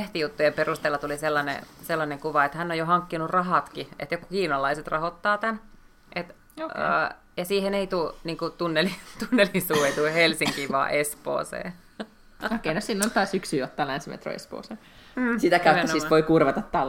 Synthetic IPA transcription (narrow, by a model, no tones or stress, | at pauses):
eht̪ijut̪ːujemperust̪eːlːɑt̪uliselːɑnḛselːɑneŋkuʋɑet̪hænːojohɑŋkːinurɑɦɑt̪kiḛt̪jokkiːnɑlːˑɑiset̪rɑhot̪ːɑːt̪æn | ʔet̪ | o̰ː | jɑsiːheneit̪uniːŋkut̪unːelit̪unːelisuːeit̪uhelsiŋkiːʋɑ̰ːʔespo̰ːsḛː | okːeinøssilːont̪ɑːsyksyːot̪ːɑːlænsimḛt̪ro̰ḛspo̰ːseː | sit̪ækæyeænosisʋoikurʋɑt̪ɑt̪t̪ɑl